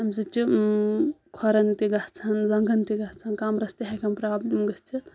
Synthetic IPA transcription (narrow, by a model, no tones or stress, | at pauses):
ɐmsɨt͡ʃi | kʰɔɾɐnt̪iɡɐt͡sʰɐnlɐŋɡʱɐnt̪iɡɐt͡sʰɐnkamɾɐst̪iɦɐkɐmpɾaːblimɡɐst͡ʃʰit̪